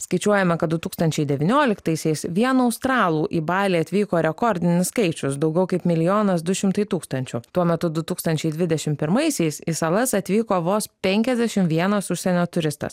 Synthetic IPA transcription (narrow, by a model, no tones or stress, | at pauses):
skɐɪt͡ʃʲuɔjɛmɐkɐt̪̚d̪ʊt̪uːkst̪ɐnʲt͡ʃʲɛɪd̪ʲɛʋʲɪnʲoːlʲɪkt̪ɐɪsʲɛɪsʋʲiɛnuɐʊst̪ɾɑːlˠuːʔiːbɑːlʲiːɐt̪ʲʋʲiːkoːɾʲɛkɔɾʲd̪ʲɪnʲɪsskɐɪt͡ʃʲʊsd̪ɒʊɡʲɛʊkɐɪpmʲɪlʲɪjoːnɐsd̪ʊʃʲɪmt̪ɐɪt̪uːkst̪ɐnʲt͡ʃʲʊt̪uɔmʲɛt̪ʊd̪ʊt̪uːkst̪ɐnʲt͡ʃʲɛɪd̪ʲʋʲɪd̪ʲɛʃʲɪmpʲɪɾmɐɪsʲɛɪsisɐlˠɐsɐt̪ʲʋʲiːkoːʋoːspʲɛŋʲkʲɛzd̪ʲɛʃʲɪmʋʲiɛnɐsʊʃʲsʲɛnʲoːt̪ʊɾʲɪst̪ɐ̰s